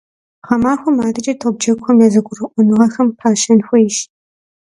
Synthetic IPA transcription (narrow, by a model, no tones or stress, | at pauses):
χɐmaːxʷɐmaːdɐt͡ʃʼɐtʰob̚d͡ʒɐkʷxʷɐmjaːzɐɡʷʼʊrɨʔʷɔnɨʁɐxɐmpʰaːʃɐnxʷɔjɪʃ